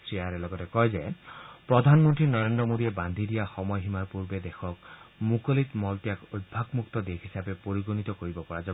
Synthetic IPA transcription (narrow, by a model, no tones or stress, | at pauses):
sɹiaɾelɔɡɔt̪ekɔjd͡ʒepɾɔd̪ʱanmɔnt̪ɾinɔɾend̪ɾɔmod̪ieband̪ʱiɾiaxɔmɔjɦimaɾpuɾbed̪exʰɔkmukɔlit̪mɔltiakojd̪̚bʱaɡmukt̪ɔd̪ekʰisabepoɾiɡonit̪ɔkoɾibɔpɔɹad͡ʒɔ